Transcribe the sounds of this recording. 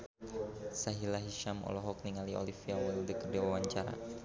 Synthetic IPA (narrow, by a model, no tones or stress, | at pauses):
saɦilaɦiʃamɔ̰lɔɦɔk̚niŋaliɔ̰lifiawɛldəkərdawawaɲt͡ʃaɾa̰